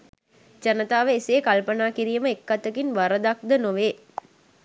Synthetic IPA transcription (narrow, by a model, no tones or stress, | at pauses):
d͡ʒɐnət̪aːʋəeseːkɐlpɐnaːkiɾijəməekːat̪ːəkinʋaɾəd̪ak̚d̪ənoʋeː